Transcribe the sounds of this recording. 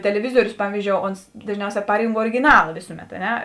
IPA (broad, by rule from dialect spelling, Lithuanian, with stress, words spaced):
tʲɛlʲɛˈʋʲɪzuɔrʲʊs ˈpɑːʋʲiːzʲd͡ʒʲoːʊ ˈoːns dɐʒʲˈnʲɛʊˌsʲɛː ˈpɑːrʲiːŋk oːrʲɪɡʲɪˈnɑːlˠɐ ˈʋʲeːsʊˌmʲɛt ɐ ˈnʲɛ